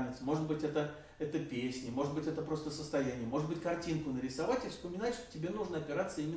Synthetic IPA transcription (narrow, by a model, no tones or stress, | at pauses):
nʲɪt̪smo̞ʐɨt̪̚bɨtʲɛt̪ə | ɛt̪əpʲesʲnʲɪmo̞ʐɨd̪bɨtʲɛt̪əpɾo̞st̪əsəst̪ɐjænʲɪjəmo̞ʐɨd̪bɨtʲkɐrtʲinkʊnəɾʲɪsɐvatʲɪfspəmʲɪnatʲʂt̪o̥tʲɪbʲenuʐnəɐpʲɪɾat̪sːəimʲɪ